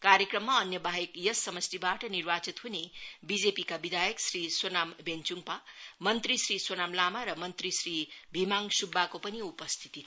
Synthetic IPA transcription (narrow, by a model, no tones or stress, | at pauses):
kaɾjekrʌmːaʌnjʌbʱaɦjekjʌsːʌmʌstibaʈʌnirbat͡sit̪ɦunebid͡zepikabid̪ʱajʌksriswonambent͡suŋpamʌnt̪risriswonamlamaɾʌmʌnt̪risribʱimaŋsubːakopʌniupʌst̪ʰi̥t̪i